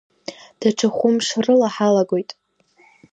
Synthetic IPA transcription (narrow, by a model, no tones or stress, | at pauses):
d̥aʈ͡ʂʰaχʷʊmʂrɨlaħalaɡo̞jtʼ